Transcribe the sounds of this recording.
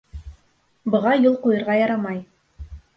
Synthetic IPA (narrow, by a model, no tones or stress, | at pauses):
bɤ̆ʁɑjulˠqujɤ̆ɾʁɑjɑɾɑmɑj